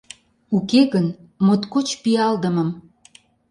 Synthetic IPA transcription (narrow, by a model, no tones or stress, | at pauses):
ukeɣən | mot̪kot͡ɕpiɑld̪əməm